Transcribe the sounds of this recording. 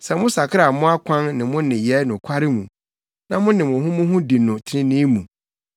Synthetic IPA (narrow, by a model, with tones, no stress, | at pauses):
sɛ˨mʊ̃˦sa˨kʰɪ˦a˨mʊ̃˦a˦kʷʰã˦nnɪ̃˨mʊ̃˦nɪ̃˨jɛ˦nʊ̃˨kʷʰa˦ɾɪ˦mũ˨ | nã˦mʊ̃˦nɪ̃˨mʊ̃˨ɦʊ̃˦mʊ̃˦ɦʊ̃˦di˨nʊ̃˨tʰɪ˦nɪ̃˦nĩ˦mṵ̃˨